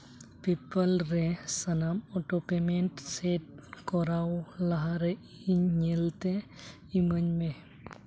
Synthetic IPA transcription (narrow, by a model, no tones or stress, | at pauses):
pipəlɾesənamɔʈɔpemenʈseʈ̚kɔɾawlaɦaɾe | iɲɲelt̪e | iməɲme